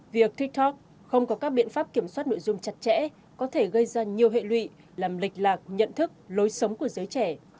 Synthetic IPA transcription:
vi˨˩ək̚t̪i˦˥k̚t̪ɔ˦˥k̚ | xə˧wŋ͡mkɔ˨˦kaː˦˥k̚ɓḭ˧˨ənfaː˦˥p̚ki˧˩əmswa˦˥t̚no̰˧˨jzʊ˧ŋ͡mt͡ɕa˨˩t̚t͡ɕɛ̰˧˥ | kɔ˨˦t̪ʰe˧˩ɣə˧jzaː˧ɲi˨˩əwɦḛ˧˨lwḭ˧˨ | laː˨˩mlï˨˩k̟̚laː˨˩k̚ɲə̰˧˨nt̪ʰɨ˦˥k̚lo˨˦jsə˨˦wŋ͡mku˧˩əzəː˨˦jt͡ɕɛ˧˩

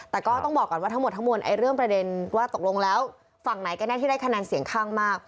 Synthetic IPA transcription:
t̪ɛː˨˩kɔː˥˩t̪ɔ˥˩ŋbɔː˨˩kːɔː˨˩nwaː˥˩t̪ʰŋm˨˩t̪̚ʰːa˦˥ŋmo˧nʔa̰˧jɾɯ˥˩əŋpɾa˧de˧nwaː˥˩t̪o˨˩k̚lo˧ŋlɛː˦˥w | fa˨˩ŋ̚na˩˦jka˧naː˥˩iː˥˩da˥˩kʰa˧nɛː˧nsi˨˩˦əŋkʰaː˥˩ŋmaː˥˩k̚

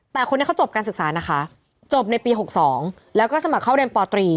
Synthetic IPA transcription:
t̪ɛː˨˩xʰo˧niː˦˥kʰa˥wt͡ɕo˨˩p̚kaː˧nsɯ˨˩k̚saː˩˦na˦˥kʰa˦˥ʔ | t͡ɕo˨˩p̚na˧jpiː˧ɦo˨˩k̚sɔː˩˦ŋ | lɛː˦˥wkɔː˥˩sa˧ma˨˩kʰːa˥˩ɾe˧npɔː˧t̪ɾiː˧

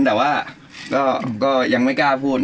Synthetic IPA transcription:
nbɛː˨˩waː˥˩ | kɔː˥˩kɔː˥˩ja˧ŋma˥˩jkaː˧˩pʰuː˥˩t̪̚

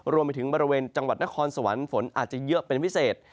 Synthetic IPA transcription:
ɾu˧əmpa˧jt̪ʰɯ˩˦ŋbɔː˧ɾi˧weː˧nt͡ɕa˧ŋwa˨˩t̪̚na˦˥kʰɔː˧nsa˧˩wa˩˦nfo˩˦nʔa̰ː˨˩t̪̚t͡ɕa˨˩jɯ˦˥pe˧npʰi˦˥seː˨˩t̪̚

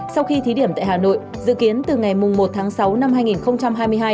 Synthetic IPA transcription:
sa˧wxi˧t̪ʰi˨˦ɗi˧˩əmt̪a̰ː˧˨haː˨˩no̰˧˨jj | zɨ̰˧˨ki˨˦ənt̪ɨ˨˩ŋa˨˩jmʊ˨˩ŋ͡mmo˨˩t̚t̪ʰaː˨˦ŋsa˨˦wna˧mhaː˧jŋi˨˩nxə˧wŋ͡mt͡ɕa˧mɦaː˧jmɨ˧əjɦaː˧j

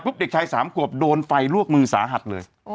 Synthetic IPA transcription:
pʰu˦˥p̚de˨˩k̚t͡ɕʰa˧jsaː˩˦mkʰu˨˩əp̚doː˧nfa˧jlu˥˩ək̚mɯː˧sa̰ː˩˦ɦa˨˩t̪̚lɤ̰ː˧j

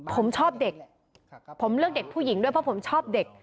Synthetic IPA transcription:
pʰo˩˦mt͡ɕʰɔː˥˩p̚de˨˩k̚ | pʰo˩˦mɾɯ˥˩ək̚de˨˩k̚pʰuː˥˩ji˩˦ŋdu˥˩əjpʰɔ˦˥pʰo˩˦mt͡ɕʰɔː˥˩p̚de˨˩k̚

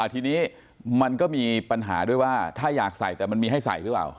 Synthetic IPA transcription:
ʔa˧˩t̪ʰiː˧niː˦˥ | ma˧nkɔː˥˩miː˧pa˧nɦa̰ː˩˦du˥˩əjwaː˥˩t̪ʰaː˥˩jaː˨˩k̚sa˨˩jt̪ɛː˨˩ma˧nmiː˧ɦa˥˩jsa̰˨˩jɾɯ˦˥pa̰ː˨˩w

